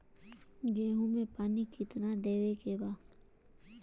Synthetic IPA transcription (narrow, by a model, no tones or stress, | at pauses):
ɡeːɦũmẽpaːnikɪt̪nad̪eːʋekeːbaː